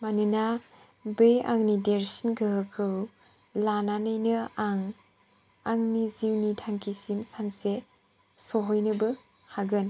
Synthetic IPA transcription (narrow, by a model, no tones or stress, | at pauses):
manɯna | beja̰ŋnideɾsinɡɯɦɯkʰɯw | lananɯjnɯaŋ | aŋniziwnitʰaŋkʰisimsanse | sɔɦɔjnɯbɯ | haɡɯn